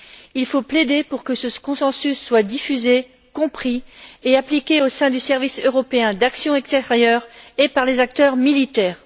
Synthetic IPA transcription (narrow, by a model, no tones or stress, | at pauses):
ilfopled̪epuʁkəsəkɔ̃sɑ̃sysːwad̪ifyze | kɔ̃pχieaplikʲeosɛ̃d̪ysɛʁvisøʁɔpeɛ̃d̪aksjɔ̃ɛkst̪eʁjœʁepaʁlezak̚t̪œʁmilit̪ɛːʁ